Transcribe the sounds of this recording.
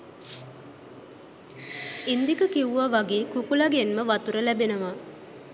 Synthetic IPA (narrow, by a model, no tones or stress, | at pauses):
ind̪ikəkiuʋaʋaɡeːkukulaɡenməʋat̪uɾəlæbenəʋa